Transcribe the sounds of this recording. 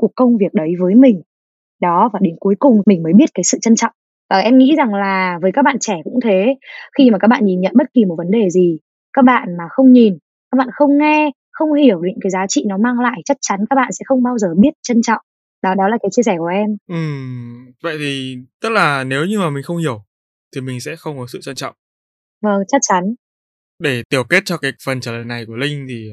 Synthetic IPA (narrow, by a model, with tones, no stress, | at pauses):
ku˨˩əkːə˧wŋ͡mvi˨˩ək̚ɗə˨˦jvəː˨˦jmï˨˩ŋ̟ | ɗɔ˨˦vaː˨˩ɗe˨˦nku˨˦jkʊ˨˩ŋ͡mmï˨˩ŋ̟məː˨˦jɓi˦˥ət̚kaː˨˦jsɨ̰˧˨t͡ɕə˧nt͡ɕɔ̰˧˨wŋ͡m | vaː˨˩ʔɛ˧mŋḭ˧˥za˨˩ŋlaː˨˩vəː˨˦jkaː˦˥k̚ɓa̰ː˧˨nt͡ɕɛ˧˩kʊ̰˧˥ŋ͡mt̪ʰe˨˦xi˧maː˨˩kaː˦˥k̚ɓa̰ː˧˨nɲi˨˩nɲə̰˧˨nɓə˦˥t̚ki˨˩mo˨˩t̚və˨˦nɗe˨˩zi˨˩ | kaː˦˥k̚ɓa̰ː˧˨nmaː˨˩xə˧wŋ͡mɲi˨˩n | kaː˦˥k̚ɓa̰ː˧˨xə˧wŋ͡mŋɛ˧ | xə˧wŋ͡mhi˧˩əwɗŋkaː˨˦jzaː˨˦t͡ɕḭ˧˨nɔ˨˦maː˧ŋla̰ː˧˨jt͡ɕa˦˥k̚t͡ɕa˨˦nkaː˦˥k̚ɓa̰ː˧˨sɛ̰˧˥xə˧wŋ͡mɓaː˧wzəː˨˩ɓi˦˥ət̚t͡ɕə˧nt͡ɕɔ̰˧˨wŋ͡m | ɗɔ˨˦ɗɔ˨˦laː˨˩kaː˨˦jt͡ɕi˧əsɛ˧˩ku˧˩əʔɛ˧mʔɨ˨˩mvə̰˧˨jt̪ʰi˨˩t̪ə˦˥t̚laː˨˩ne˨˦wɲɨ˧maː˨˩mï˨˩ŋ̟xə˧wŋ͡mhi˧˩əw | t̪ʰi˨˩mï˨˩ŋ̟sɛ̰˧˥xə˧wŋ͡mkɔ˨˦sɨ̰˧˨t͡ɕə˧nt͡ɕɔ̰˧˨wŋ͡mʔ | və˧˩ŋt͡ɕa˦˥t̚t͡ɕa˨˦n | ɗe˧˩t̪i˨˩əwke˦˥t̚t͡ɕɔ˧kaː˨˦jfə˨˩nt͡ɕəː˧˩ləː˨jna˨˩jku˧˩əlï˧ŋ̟t̪ʰi˨˩